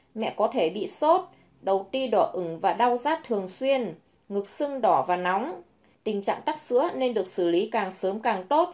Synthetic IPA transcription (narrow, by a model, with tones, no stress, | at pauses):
mɛ̰˧˨kɔ˨˦t̪ʰe˧˩ɓḭ˧˨so˦˥t̚ | ɗə˨˩wt̪i˧ɗɔ˧˩ʔɨ˧˩ŋvaː˨˩ɗa˧wzaː˦˥t̚t̪ʰɨ˨˩əŋswi˧ən | ŋɨ˨˩k̚sɨ˧ŋɗɔ˧˩vaː˨˩na˨˦wŋ͡m | t̪ï˨˩ŋ̟t͡ɕa̰ː˧˨ŋt̪a˦˥k̚sɨ̰˧˥əne˧nɗɨ˨˩ək̚sɨ˧˩li˨˦kaː˨˩ŋsəː˨˦mkaː˨˩ŋt̪o˦˥t̚